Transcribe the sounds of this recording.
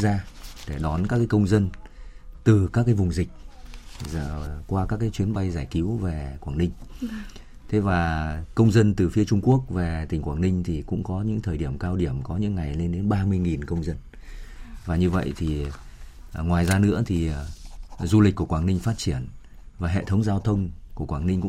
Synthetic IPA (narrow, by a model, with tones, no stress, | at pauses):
zaː˧ɗe˧˩ɗɔ˨˦nkaː˦˥kːaː˨˦jkə˧wŋ͡mzə˧n | t̪ɨ˨˩kaː˦˥kːaː˨˦jvʊ˨˩ŋ͡mzï˨˩k̟̚z̰kwaː˧kaː˦˥k̬ːaː˨˦jt͡ɕwi˨˦ənɓa˧jzaː˧˩jki˨˦wve˨˩kwaː˧˩ŋnï˧ŋ̟ | t̪ʰe˨˦vaː˨˩kə˧wŋ͡mzə˧nt̪ɨ˨˩fi˧ət͡ɕʊ˧ŋ͡mku˦˥ək̚ve˨˩t̪ï˨˩ŋ̟kwaː˧˩ŋnï˧ŋ̟t̪ʰi˨˩kʊ̰˧˥ŋ͡mkɔ˨˦ɲɨ̰˧˥ŋt̪ʰəː˨˩jɗi˧˩əmkaː˧wɗi˧˩əmkɔ˨˦ɲɨ̰˧˥ŋːa˨˩jle˧nɗe˨˦nɓaː˧mɨ˧əjŋi˨˩nkə˧wŋ͡mzə˧n | vaː˨˩ɲɨ˧və̰˧˨jʔt̪ʰi˨˩ | ŋwaː˨˩jzaː˧nɨ̰˧˥ət̪ʰi˨˩ | zu˧li̟˨˩kːu˧˩əkwa˧˩ŋnï˧ŋ̟faː˦˥t̚t͡ɕi˧˩ən | vaː˨˩ɦḛ˧˨t̪ʰə˨˦wŋ͡mzaː˧wt̪ʰə˧wŋ͡mku˧˩əkwaː˧˩ŋni˧ŋ̟kʊ̰˧˥